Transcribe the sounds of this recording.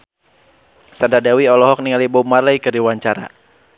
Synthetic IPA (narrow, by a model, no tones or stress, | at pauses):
sandadawiɔlɔɦɔk̚niŋalibɔmarlajkɨriwaɲt͡ʃaɾa̰